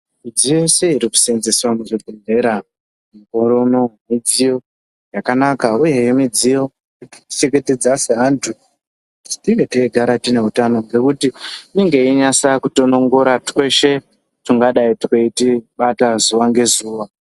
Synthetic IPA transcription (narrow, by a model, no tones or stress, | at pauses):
mid͡zije̞se̞iɾiku̥senzeswamuʐiɡʱene̞ɾa | miko̞ɾo̞no̞mid͡zijo̞ | jakanakauje̞jemid͡zijo̞ | ti̥i̥t͡ʃeɡete̞d͡zaseɦantʰu | tiŋɡe̞teiɡʱaɾatine̞ɦutano̞ŋɡe̞kutimiŋɡe̞iɲasakuto̞no̞ŋɡo̞ɾatwe̞ʃe̞ | tuŋɡaɗaitikeitiɓatazuʋaŋɡe̞zuːwa